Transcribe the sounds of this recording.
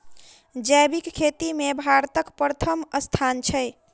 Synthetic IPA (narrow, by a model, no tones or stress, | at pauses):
d͡ʒəjbikkʰːet̪imebʱaɾt̪əkpɾət̪ʰəməst̪ʰant͡ʃʰəj